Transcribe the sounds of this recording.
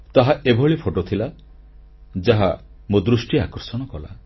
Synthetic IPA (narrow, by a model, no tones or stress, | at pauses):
t̪aɦaʔebʱɔɭipʰoʈot̪ʰila | d͡ʒaɦa | mod̪ɾusʈiakɔɾsɔɽ̃ɔkɔla̰